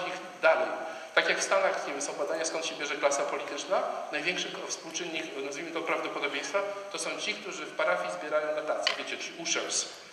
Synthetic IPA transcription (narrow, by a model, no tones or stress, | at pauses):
ix | d̪aɾɛ | t̪akʲjakfst̪anaxʲɛbɘsɔ̃w̃bad̪aɲaskɔnt̪ɕɛbʲjɛʐɛklasapɔlʲit̪ɘt͡ʂnanajvʲjɛ̃ŋkʂɨfspuwt͡ʂɘnʲːiknazvʲimɘt̪ɔpɾavd̪ɔpɔd̪ɔbʲjẽj̃st̪fat̪ɔsɔ̃w̃t͡ɕikt̪uʐɘfpaɾafʲizbʲjɛɾajɔ̃w̃d̪ɔt̪at̪sɨbʲjet͡ɕɛt͡ʂɘlʲiuʂɛws